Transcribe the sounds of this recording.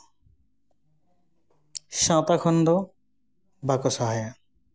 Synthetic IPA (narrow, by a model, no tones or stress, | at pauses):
ʃãt̪akʰɔnd̪ɔ | bakɔsaɦaja